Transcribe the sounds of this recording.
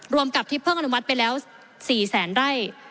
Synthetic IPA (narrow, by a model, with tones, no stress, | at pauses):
ɾu˧əmka˨˩p̚t̪ʰiː˥˩pʰɤː˥˩ŋʔa˧n˩u˥ma˦˥t̪̚pa˧jlɛː˦˥w | siː˨˩sɛː˩˦nɾa˥˩j